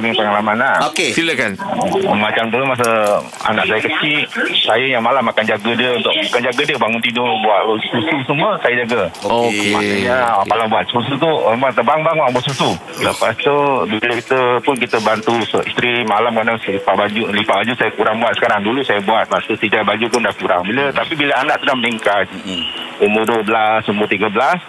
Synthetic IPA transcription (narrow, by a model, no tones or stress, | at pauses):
miŋpəŋalamanaʔokesiləkanmat͡ʃamt̪ulumas̬ə | a̰naʔsajəkət͡ʃisajəjaŋmalamakand͡ʒaɡədiəunt̪ʊkakand͡ʒaɡədiəbaŋʊnt̪idʊbuat̪̚losususəməsajəd͡ʒaɡəmaaɲakalabuat̪̚sus̬ut̪̬umbuat̪əbaŋbaŋʊnŋbuat̪̚susu | ləpast̪ubiləkit̪əpʊnkit̪əbant̪usoist̪ɾimalamkanasəlipaʔbad͡ʒuslipaʔbad͡ʒusajəkuɾaŋbuat̪̚sə̥kaɾaŋdulusajəbuat̪̚mat̪ut̪id͡ʒabad͡ʒupʊndahkuɾa̰ŋbilət̪apibiləanaʔt̪udahməniŋkat̪̚sumbʊduwəbəlasumbʊt̪iɡəbəlas